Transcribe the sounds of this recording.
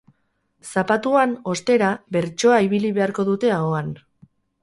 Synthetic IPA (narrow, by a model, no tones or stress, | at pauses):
sapat̪uano̞st̪e̞ɾaβe̞ɾt͡ʃo̞aiβiliβe̞aɾko̞ðut̪e̞aoan